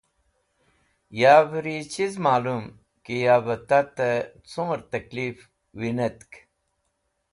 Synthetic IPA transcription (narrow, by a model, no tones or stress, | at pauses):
jaːbɾit͡ɕizmaːlum | kijaːbɐt̪ɐt̪ət͡sõːɾt̪ɐklif | winɐt̪k